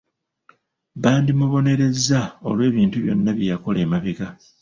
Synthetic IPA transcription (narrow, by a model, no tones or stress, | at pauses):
βaːndimuβo̞ne̞ɾe̞zːao̞̰lwe̞ːβiːntuβjo̞nːaβjejako̞le̞ːmaβiɡa